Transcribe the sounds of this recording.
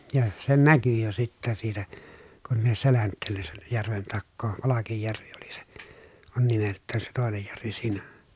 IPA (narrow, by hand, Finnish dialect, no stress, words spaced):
jɑ se næky jo sitːæ siːtæ kun ne selæntːeːlːen sen jærʋen tɑkːoː pɑlɑkijːærʋi ol̥i̥ se̥ on nimeltˑæːn se toˑenej jærʋi siːnæ